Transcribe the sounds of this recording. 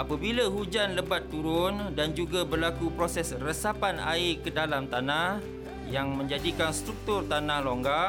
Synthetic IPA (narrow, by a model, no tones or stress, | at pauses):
apabilaɦud͡ʒanləbat̪ːuɾʊndand͡ʒuɡabərlakupɾosɛsrəsapana̰ɪkədalamt̪anah | jaŋmə̃ɲd͡ʒadikanst̪ɾuk̚t̪ʊrt̪anahloŋɡa